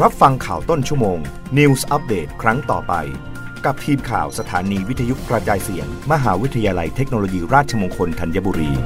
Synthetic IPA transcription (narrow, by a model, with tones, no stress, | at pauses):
ɾa˦˥p̚fa˧ŋkʰaː˨˩wt̪o˥˩nt͡ɕʰu˥˩moː˧ŋ | ni˧wsʔa˦˥p̚deː˨˩t̪̚kʰɾa˦˥ŋt̪ɔ̰ː˨˩pa̰˧j | ka˨˩p̚t̪ʰiː˧mkʰa̰ː˨˩wsa˧t̪ʰaː˩˦niː˧wi˦˥t̪ʰːa˧ju˦˥tkɾa˧t͡ɕaː˧jsi˨˩˦əŋma˧ɦaː˩˦wi˦˥t̪ʰːa˧jaː˧la˧jt̪ʰe˦˥k̚noː˧loː˧jiː˧ɾaː˥˩t̪̚t͡ɕʰa˧moː˧ŋkʰo˧nt̪ʰa˧nja˦˧˥buː˧ɾiː˧